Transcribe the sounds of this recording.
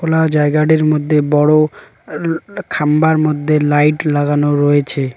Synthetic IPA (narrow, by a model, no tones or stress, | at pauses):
kolad͡ʑaeɡaɖeɾmod̪ʱːebɔɽo | kʰambaɾmod̪ʱːelajʈlaɡanoɾoet͡ɕʰe